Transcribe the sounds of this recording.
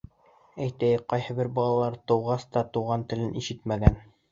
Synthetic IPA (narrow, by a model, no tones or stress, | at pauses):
æjt̪æjqɑjhɤbɘɾbɑlˠɑlˠɑɾt̪ɤ̆wʁɑst̪ɑt̪uʁɑnt̪ɘ̆lɘniʃɘt̪mæɡæn